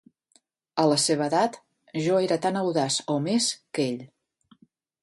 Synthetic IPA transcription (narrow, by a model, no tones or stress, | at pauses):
ələseβ̞əːðat̪ | ʒɔeɾət̪anəwðasomeskeʎ